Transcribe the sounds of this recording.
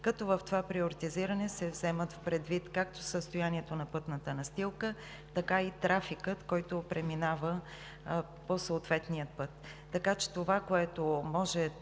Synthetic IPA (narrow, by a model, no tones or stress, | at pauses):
kɐt̪ɔvəft̪ovapɾioɾit̪iziɾənɛsɛvzɛmət̪fpɾɛd̪vit̪kak̚t̪o̥səst̪ojaniɛt̪onɐpɤt̪nət̪ənɐst̪ilˠkə | t̪ɐkait̪ɾafikət̪kɔjt̪opɾɛminavə | posoːt̪vɛt̪niət̪pɤt̪ː | ɐkat͡ʃɛ̥t̪ovakoɛt̪omɔʒɛ